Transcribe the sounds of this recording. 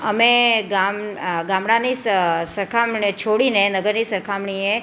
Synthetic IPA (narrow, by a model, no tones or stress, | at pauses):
əmẽɡamɡaːmɽãnisəɾkʰamɳt͡ʃʰoɽinẽnəɡəɾnisəɾkʰamɳiẽ